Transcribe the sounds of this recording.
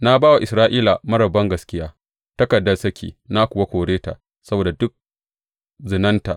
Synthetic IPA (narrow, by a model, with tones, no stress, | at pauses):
na˦baː˦wa˨ʔɪ˨sɾaː˦ʔiː˦la˨mɐ˦ɽɐ˨bɐ˦ŋɡɐ˨skʲɪ˦jaː˦ | tɐ˦kɐ˨dːɐ˦lsɐ˦kʲʰḭː˨na˦kʷʊ˨wa˦kʷoː˨ɽeː˦ta̰˨ | sɐ˦boː˨da˨dʊ˦k̚ | zɪ˨nɐ˦nta˨ʔ